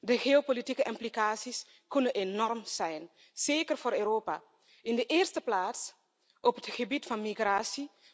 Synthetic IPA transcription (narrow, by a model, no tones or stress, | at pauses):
dəxeopolitikəʔɪmplikaːsis | kunənʔenɔrmsɛjn | seːkərvoːɾøːroːpa̰ | ɪndəʔɪːrstəplaːts | ʔɔpətxəbitfɑnmixraːsi